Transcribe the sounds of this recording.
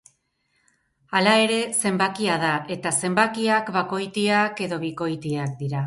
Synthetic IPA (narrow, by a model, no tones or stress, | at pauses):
alae̞ɾe̞se̞mbakiað̞aʔe̞t̪ase̞mbakiakβako̞jt̪iake̞ðo̞β̞iko̞jt̪iakd̪iɾa